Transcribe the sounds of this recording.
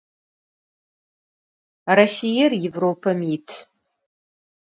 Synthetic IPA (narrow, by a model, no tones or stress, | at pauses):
rasijɛrjevroːpʰɐmjitʰ